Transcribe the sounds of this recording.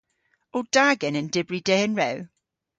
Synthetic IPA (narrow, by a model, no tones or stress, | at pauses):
od̥aɡənəndɪbɹideənɹɛw